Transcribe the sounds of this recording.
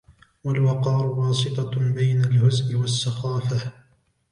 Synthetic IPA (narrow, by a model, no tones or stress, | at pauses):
walwɑqɑːɾʊwɑːsˤɨt̪ˤɑbajnalhʊzmɪwasːɑxɑːfa